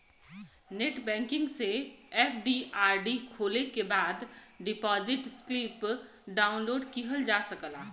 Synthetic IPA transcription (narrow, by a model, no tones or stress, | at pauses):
neʈbɛ̃ːŋkɪ̃ŋɡseɛpʰɖiaːɾɖikʰoːlekebaːd̪ɖɪpɔzɪʈsklip | ɖaːʊnloːɖkiɦəld͡ʒasəkəla